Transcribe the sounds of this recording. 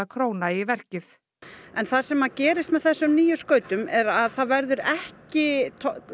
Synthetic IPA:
akʰɾoːwnaivɛr̥cɪθ | ɛnθasɛmːaðcɛːɾɪst̪mɛðθɛsːʏmniːjʏskœːɥt̪ʏmɛɾaðθaðvɛɾðʏɾɛhcɪt̪ʰ

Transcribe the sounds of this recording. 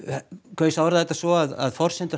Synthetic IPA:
kʰvœːɪsawvɾðahɛt̪asɔaða̰ðfɔr̥sɛnt̪ʏ

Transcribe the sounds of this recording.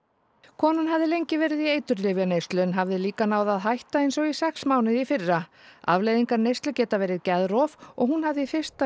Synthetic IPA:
kʰɔːnʏnɦavðɪlejɲcɪvɛːɾɪðiejt̪ʏɾlɪvjanejst̪lʏnɦavðɪliːkanaːwðaðɦajht̪aejnsɔɣisɛksmaːwnɪðifɪrːaa̰vlejðiŋkaɾnejst̪lʏcɛːt̪avɛːɾɪðcɛðɾɔvɔ̰ɣɦunhavðɪifɪ̥st̪a

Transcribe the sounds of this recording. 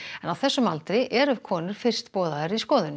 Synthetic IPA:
ɛnawθɛsːʏmalt̪ɾɪʔɛɾʏ̥kʰɔːnʏɾ̥fɪr̥st̪pɔːðaɛɾiskɔːðɪn

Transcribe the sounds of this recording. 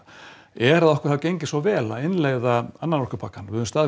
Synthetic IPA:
ɛɾaðɔhkvʏ̥ɾθawcejɲcɪsvɔwvɛːlaðɪnleɣðaanːanɔrkʏpʰakːanvɪʏʏmst̪aːð

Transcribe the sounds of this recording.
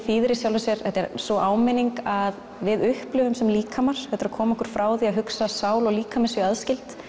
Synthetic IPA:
fiːðɾɪsjawlvɪsɛɾ̥ɛht̪ɛɾsɔʔaːwmɪniŋkað | vɪðʏhplʏvʏmsɛmliːkʰamaɾ̥ɛt̪ʏɾakʰɔːmaɔhkʏɾ̥fɾaːwðiaɦʏksasaːwlɔɣliːkʰamɪsʏaðscɪlt̪

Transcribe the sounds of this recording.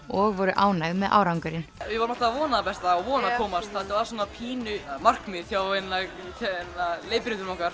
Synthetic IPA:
ɔɣvɔɾʏʔaːwnajɣmɛðʔa̰ːwɾawŋkʏɾɪnvɪvɔɾmɔht̪avɔːnapɛst̪aavɔːnakʰɔːmast̪θat̪avaɾs̬ɔːnapʰiːnʏmar̥kmɪ̥θjawɛnːa | θɛnːaleːjpɪɾɪnt̪ʏɾmawŋkaɾ̥

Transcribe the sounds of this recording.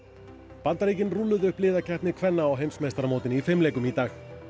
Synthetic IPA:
pant̪aɾijcɪnrulːʏðʏhplɪːðacʰɛht̪nɪkʰvɛnːaawɦejmsmejst̪aɾamowt̪ɪnifɪmleːjkʏmit̪aːx

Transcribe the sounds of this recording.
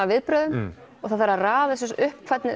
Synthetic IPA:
avɪðpɾœðʏm | ɔɣθaðθɛɾːaraːðs̬ʏsʏhpkʰvɛt̪nɪ

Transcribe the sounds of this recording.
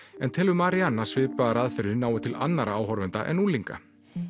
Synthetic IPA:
ɛnt̪ʰɛːlvʏmaːɾianːasvɪːpaaɾaːðfɛɾɪnaːwɪt̪ʰɪla̰nːaɾʔaaːwɦɔɾvɛnt̪a̰ʔɛ̰nuːliŋka̰

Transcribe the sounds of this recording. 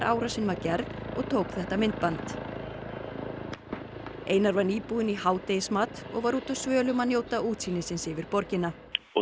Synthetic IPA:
ɾʔa̰ːwɾasɪnmacɛɾðɔɣt̪ʰoːwkθɛht̪amɪnt̪̚pant̪ | ʔeːjnaɾvaɾniːpuːðɪnihaːwt̪ejɪsmaːt̪ɔ̰ɣvaɾuːt̪aðsvœːlʏmaðnjoːwt̪auːt̪sinɪsɪnsɪvɪɾpɔɾcɪna

